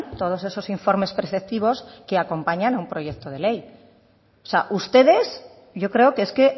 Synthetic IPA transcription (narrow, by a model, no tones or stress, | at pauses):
t̪o̞ð̞o̞se̞so̞siɱfo̞ɾme̞spɾeθek̚t̪iβ̞o̞ske̞ako̞mpaɲanaumpɾo̞ʝe̞k̚t̪o̞ð̞e̞le̞j | osea̰ʔust̪e̞ðe̞s | ɟ͡ʝo̞kɾe̞okeeske̞